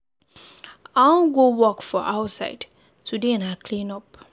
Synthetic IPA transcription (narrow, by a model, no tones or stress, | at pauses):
ãnɡowɔkfɔʔaʊtsa̰ɪd | tudenakʰlĩnɔp̚